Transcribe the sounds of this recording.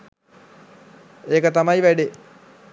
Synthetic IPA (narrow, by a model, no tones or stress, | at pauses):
eːkət̪ɐmɐjʋæɖe